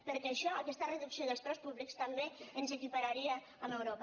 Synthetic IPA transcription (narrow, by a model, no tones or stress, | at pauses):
pəɾkɛːʃɔəkɛst̪ərəðuksioðəlst̪ɾɔspuβlikst̪ambeənzekipaɾaɾiaː | məwɾopa